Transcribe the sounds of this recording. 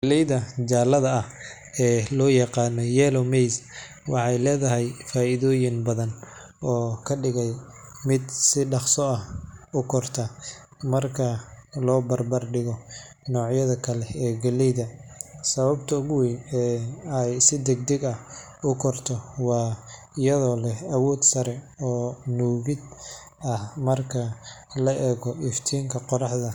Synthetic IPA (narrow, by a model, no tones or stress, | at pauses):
ɡɐlɛjðɐd͡ʒaːlɐðɐɐh | ɛːlɔːjɑqɑːnɔjɛːlɔmɛjs | wɑħɑjlɛːðɐɦɛjfaːʔɪðɔːjɪnbɐðɐn | ɔːkʰɐɖɪɣɛj | mɪd̪sɪɖɑχsɔɐhʊkʰɔrt̪ʰɐ | mɐrkʰɐlɔːbɐrbɐrɖɪɣɔ | nɔːʕjɐðɐkʰɐlɛɛːɡɐlɛjðɐsɐβɐbt̪ʰɐʊɣwinɛːɛjsɪd̪ɛɡ̚d̪ɛɡɐh | ʊkʰɔrt̪ʰɔwɑː | ɪjɐðɔːlɛhɐwɔːd̪sɐɾɛ | ɔːnuːɣɪd̪ | ɐhmɐrkʰɐ | lɐʔɛːɣɔʔɪft̪ʰiːŋkʰɐqɔɾɑħðɐ